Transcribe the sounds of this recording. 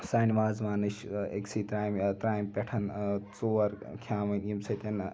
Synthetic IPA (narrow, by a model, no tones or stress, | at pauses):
saːnʲʋaːzʋaːnɨʃḛksiːt̪ɾaːjmt̪ɾaːjmpʲeʈʰɐnt͡soːɐɾkʲʰaːmɐnʲimsɐt̪ʲɐn